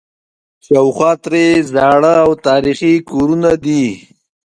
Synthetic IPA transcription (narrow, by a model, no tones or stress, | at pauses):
ʃawxwat̪ɾezɑːɽəawt̪ɑːɾiχikoɾunad̪i